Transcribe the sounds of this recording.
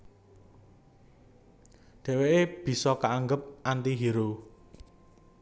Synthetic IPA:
ɖ̪̥ɛ̤weeb̥i̤sɔkaaŋɡəp̚ʔant̪iɦiɾo

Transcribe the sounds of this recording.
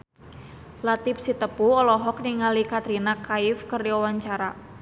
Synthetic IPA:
lat̪ɪp̚sit̪əpuɔlɔɦɔk̚niŋalikat̪ɾinakaɪfkəriɔwaɲt͡ʃaɾa

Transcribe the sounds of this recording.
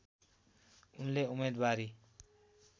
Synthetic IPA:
unleumed̪baɾi

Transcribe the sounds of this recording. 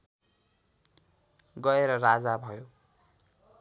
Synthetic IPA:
ɡʌeɾʌrad͡zabʱʌjo

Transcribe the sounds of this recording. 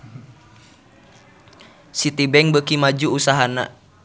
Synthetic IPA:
sit̪ibɛŋbəkimad͡ʒuːsaɦana̰

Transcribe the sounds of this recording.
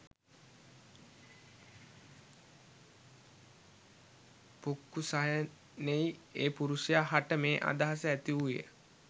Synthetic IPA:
pukːusaɦjə | nejeːpuɾusijaɦaʈəmeːʔa̰d̪aɦasəæt̪iuʋijə̰

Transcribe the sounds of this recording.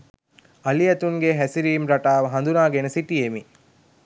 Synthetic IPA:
ɐliɐt̪uŋɡeɦæsiɾiːmɾaʈaːʋɐɦand̪unaːɡenəsiʈijemi

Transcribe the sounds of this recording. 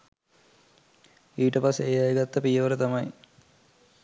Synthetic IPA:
iːʈəpasejajɡat̪ːɐpijəʋəɾət̪ɐmɐj

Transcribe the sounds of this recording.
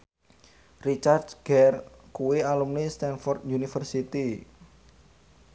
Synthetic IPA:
rit͡ʃard̪ɡ̥ɛrkuwealumnist̪ɛnfɔrt̪junifərsit̪i

